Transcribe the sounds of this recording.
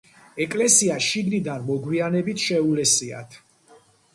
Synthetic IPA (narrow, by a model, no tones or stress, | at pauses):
ɛkʼlɛsiaʃiɡnid̪anmɔɡwianɛbit̪ʰʃɛulɛsia̰t̪ʰ